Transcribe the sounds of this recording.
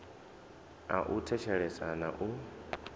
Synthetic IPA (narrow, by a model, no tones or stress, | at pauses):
a̰ʔutʰɛt͡ʃʰɛɺɛsʼanaʔu